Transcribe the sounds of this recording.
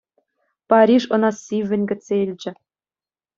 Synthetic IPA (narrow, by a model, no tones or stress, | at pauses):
pɑɾʲiʂɤ̆nɑsʲiʋʲːɘ̆nʲɡʲɘ̆eilʲd͡ʑɘ̆